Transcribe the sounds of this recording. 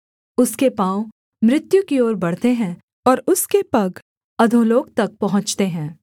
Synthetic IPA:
ʊskepãːõ | mɾɪt̪jukioːɾbɐɽ̤t̪eɦɛ̃ː | ɔːɾʊskepɐɡ | ɐd̪ʱõloːɡ̚t̪ɐk̚pɐɦʊ̃ɲt͡ʃt̪eɦɛ̃ː

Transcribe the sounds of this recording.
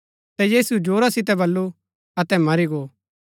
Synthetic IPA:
t̪ɛjiːsud͡ʒoːɾasɪt̪̬ɛbɐlːu | ɐt̪ɛmɐɾiɡoː

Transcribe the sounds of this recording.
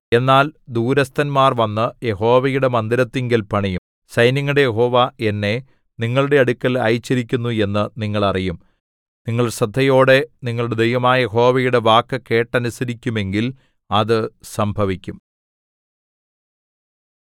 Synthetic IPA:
e̞nːaːld̪uːɾɐst̪ʰɐnmaːrʋɐnːɨje̞ɦo̞ːʋɐjuɽe̞mɐnd̪iɾɐt̪ːiŋɡilpɐɳijum | sɐjnjɐŋːɐɽejeɦo̞ːʋae̞nːe̞ | niŋːɐɭuɽe̞ɐɽukʲːɐlɐ̰jt͡ɕːɐɾikʲːunːue̞nːɨniŋːɐɭɐrijum | niŋːɐɭsɐd̪ʱːɐjo̞ːɽe̞niŋːɐɭuɽe̞d̪ejʋɐmaːɐje̞ɦo̞ːʋɐjuɽe̞ʋaːkːɨke̞ːʈːɐnusɐɾikʲːume̞ŋɡil | ɐðɨsɐmbʱɐʋikʲːum

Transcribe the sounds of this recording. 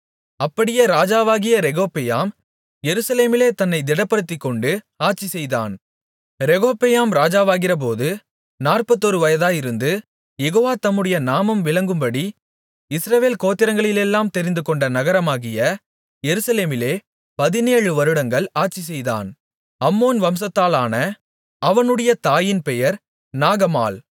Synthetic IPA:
ɐpːɐɽɪjɐɾaːd͡ʒaːʋaːɣɪjɐɾɛɣoːpːɛjaːm | jɛɾɯsɐleːmɪleːt̪ɐnːɐɪd̪ɪɽɐpːɐɽɯt̪ːɪkːɔɳɖɯ | aːʈt͡ʃisɛjða̰ːn | ɾɛɣoːpːejaːmɾaːd͡ʒaːʋaːɣɪrɐp̬oːðɯ | naːrpɐt̪ːɔɾɯʋɐjɐðaːjɪɾɯnd̪ɯ | jɛɣoːʋaːt̪ɐmːɯɽɐjɐnaːmɐmʋɪɭɐŋɡɯmbɐɽi | ɪsɾɐʋeːlkoːt̪ːɪɾɐŋɡɐɭɪlɛlːaːmt̪ɛɾɪnd̪ɯkɔɳɖɐnɐɣɐɾɐmaːɣɪjɐ | jɛɾɯsɐleːmɪleː | pɐðɪneːɻɯʋɐɾɯɽɐŋɡɐɭaːʈt͡ʃis̬ɛjða̰ːn | ɐmːoːnʋɐms̬ɐt̪ːaːlaːnɐ | ɐʋɐnɯɽɐjɐt̪aːjɪnpɛjɐɾ | naːɣɐma̰ːl

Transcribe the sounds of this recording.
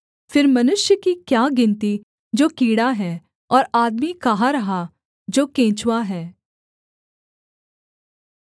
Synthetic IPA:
fʰɪɾmɐnʊʃjəkikjaːɡɪ̃nt̪i | d͡ʒoːkiːɽaɦɛː | ɔːɾaːd̪mikaɦaɾɐɦa | d͡ʒoːkẽːt͡ʃwaɦɛː

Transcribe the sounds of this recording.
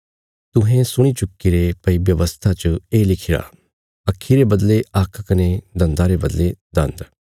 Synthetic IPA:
t̪ʊɦẽsʊɽ̃it͡ʃʊkːiɾepəibjɐʋəst̪ʰat͡ʃəeːlɪkʰiɾa̰ː | ɐkʰːiɾebəd̪leɐkʰkəned̪ɐnd̪aɾebəd̪led̪ɐ̰̃nd̪

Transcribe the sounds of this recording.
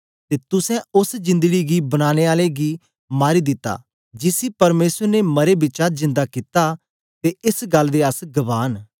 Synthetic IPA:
t̪eːt̪ʊsɛ̃ʊsd͡ʒɪ̃nd̪əɡiɡibɐñaːñeaːleɡi | maːɾid̪ɪt̪ːa̰ː | d͡ʒɪsipɐɾmeːsəɾnemɐɾebɪt͡ʃatzɪ̃nd̪akit̪a | t̪eɪsɡɐlːd̪eːɐsɡɐʋaːn

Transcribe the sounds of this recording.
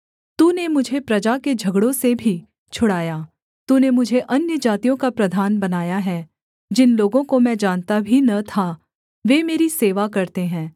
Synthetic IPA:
t̪uːnemʊd͡ʒʱepɾɐd͡ʒaked͡ʒʱɐɡɽõsebʱi | t͡ʃʰʊɽaːjaː | t̪uːnemʊd͡ʒʱeʔɐnjəd͡ʒaːt̪ijõkapɾɐd̪ʱaːnbɐnaːjaɦɛ | d͡ʒɪnloːɡõkomɛ̃ːd͡ʒaːnt̪abʱinɐt̪ʰa | ʋeːmeːɾiseːʋakɐɾt̪eɦɛ̃ː

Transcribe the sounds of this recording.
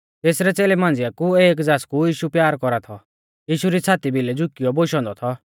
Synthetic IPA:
t̪eːsɾɛt͡seːlɛmãːn̆d͡zɪjakueːkd͡zaːskujiːʃupjaːɾkɔɾat̪ʰɔ | jiːʃuɾit͡sʰaːt̪ibʱilɛd͡zʊkiɔboːʃɔ̃nd̪ɔt̪ʰɔ

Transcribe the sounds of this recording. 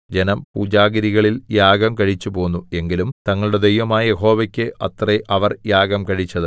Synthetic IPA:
d͡ʑe̞nɐmpuːd͡ʑaːɡɐɾiɣɐɭiljaːɡɐmkɐɻit͡ɕːupo̞ːnːue̞ŋɡilumt̪ɐŋːɐɭuɽe̞d̪ɐjʋɐmaːjɐjeɦo̞ːʋɐkʲːɨɐt̪reʔɐʋɐrjaːɡɐmkɐɻit͡ɕːɐðɨ

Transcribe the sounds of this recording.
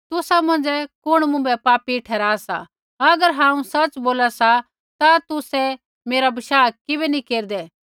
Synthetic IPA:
t̪ʊsamɐ̃nd͡ʒɛkʊɽ̃mʊ̃mbɛpaːpiʈʰɛːɾaːsa̰ | ɐɡəɾɦãːũsɐt͡ʃboːlasa | t̪at̪ʊsɛ | meːɾabɪʃaːkɪbɛnĩkeːɾd̪ɛː

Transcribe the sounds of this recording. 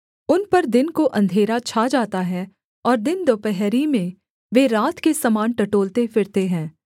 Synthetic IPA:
ʊnpɐɾd̪ɪnkoʔɐ̃nd̪ʱeːɾat͡ʃʰaːd͡ʒaːt̪aɦɛ | ɔːɾd̪ɪnd̪oːpɛɦɾimẽ | ʋeɾaːt̪kesɐmaːnʈɐʈoːlt̪efɪɾt̪eɦɛ̃ː

